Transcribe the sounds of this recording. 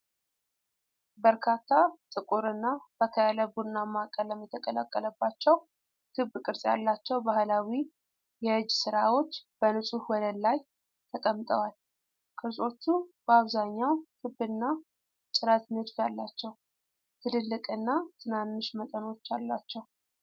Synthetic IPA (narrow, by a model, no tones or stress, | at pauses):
bəɾkʰat̪ʰːat̪ʼɨkʼuɾɨnːab̥əkʰəjaləbunːamakʼəlːəmːəɛt̪ʰːəkʼələkʼːələbːat͡ʃːɛw | kʰɨbkʼɨɾsʼja̰lːat͡ʃːɛwbahlawi | jɛhɨd͡ʒːsɨɾawo̞t͡ʃːb̥ənɨsʼuhwɔd̪əllaj | t̪ʰəkʼəmt̪ʼəwal | kʰəsʼo̞t͡ʃ̪ʰːub̥əaβzaɲːawkʰɨbnːa | t͡ʃʼɨɾət̪mɨd̪fjalːat͡ʃːɛw | t̪ʰɨlɨlːɨkʼɨnːat̪ʰɨnanːɨʃmət̪ʼəno̞t͡ʃːalːat͡ʃːɛw